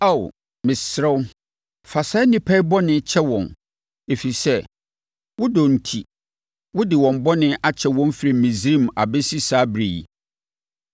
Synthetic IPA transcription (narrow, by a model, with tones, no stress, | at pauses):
a˦˨w | mɪ̃˨sɾɛ˦w | fa˨sa˦nĩ˦pʰa˦i˦bɔ˦nɪ̃˦t͡ɕʰɛ˦wɔ̃˨n | e˨fi˨i˨sɛ˦ | wʊ˦dɔ˨n̩˨tʰi˨ | wʊ˦dɪ˨wɔ̃˨m˦bɔ˦nɪ̃˦ʔa˦t͡ɕʰɛ˨wɔ̃˦m˦fɾi˨m˨mĩ˨zɾĩ˦˨ma˨bɛ˦si˦saː˦bɾe˨jḭ˨